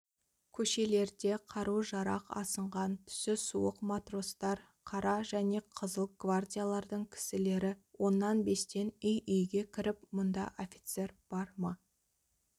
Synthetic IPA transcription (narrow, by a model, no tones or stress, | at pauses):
kʲʰɵʃe̞le̞ɾd̪e̞qʰɑɾuʒɑɾɑqɑ̰səɴʁɑnt̪ʰʏ̥sɪsuwəqmat̪ro̞st̪ɑɾ | qʰɑɾɑʒæne̞qʰəzəlˠɡ̥vardʲijalˠɑɾd̪əɴkʲʰɪ̥sɪle̞ɾɪwo̞nːɑnbe̞st̪e̞nʏjʔʏjɡʲe̞kʲʰɪɾɪpmʊnd̪ɑ̰ʔofʲit̪se̞ɾb̥ɑɾmɑ